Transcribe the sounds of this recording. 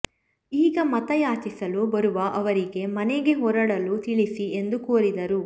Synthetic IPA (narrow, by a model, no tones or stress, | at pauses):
iːɡɐmɐt̪ɐjaːt͡ʃisɐlubɐɾuʋɐʔɐʋɐɾiɡe̞mɐneɡe̞ɦɔɾɐɽɐlut̪iɭisie̞nd̪ukoːɾid̪ɐɾu